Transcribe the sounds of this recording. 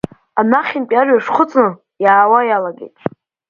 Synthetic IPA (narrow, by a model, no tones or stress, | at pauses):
anaχʲɪnpʲʼarʷaʂχʰʊt͡sʼnɨ | jaːwajalaɡʲḛjtʼ